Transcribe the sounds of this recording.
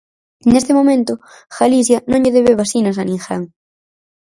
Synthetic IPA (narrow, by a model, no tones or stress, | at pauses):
nest̪ɪmomẽnt̪ʊ | xalis̬jɐnõŋʎeðeβeβasinɐs̬anĩŋxaŋ